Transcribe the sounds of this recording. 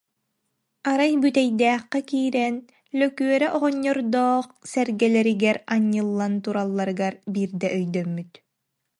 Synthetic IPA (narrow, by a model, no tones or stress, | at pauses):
aɾajbyt̪ɛjd̪æːχːɛkiːɾɛn | lœkyœɾɛʔɔʁɔɲːɔɾd̪ɔːχsɛɾɡɛlɛɾiɡɛɾaɲːɯlˠːant̪uɾalˠːaɾɯɡaɾbiːɾd̪ɛʔœjd̪œmːyt̪